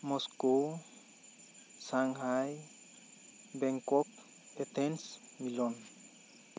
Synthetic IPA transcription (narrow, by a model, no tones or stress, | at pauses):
mosko | saŋɦaj | beŋkɔk̚ | et̪ensmilɔn